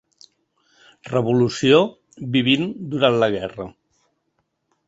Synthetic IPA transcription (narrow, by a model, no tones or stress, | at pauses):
rəβulusio | βiβind̪uɾant̪ləɣ̞ɛrə